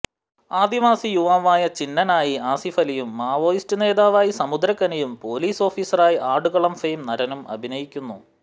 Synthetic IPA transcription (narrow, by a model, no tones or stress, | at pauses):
aːd̪iʋaːsijuʋaːʋaːjɐt͡ɕinːɐnaːjiaːsifɐlijumːaːʋo̞ːjistɨne̞ːðaːʋaːjisɐmud̪ɾɐkːɐnɐjumpo̞ːliːso̞ːfiːsɐraːjiʔaːɖuɣɐɭɐmfejmnɐɾɐnumɐ̰bʱinɐjikʲːunːu